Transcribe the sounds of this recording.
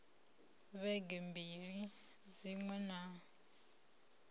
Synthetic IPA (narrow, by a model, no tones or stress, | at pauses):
βɛɡɛmbiɺi | d͡ziŋwɛna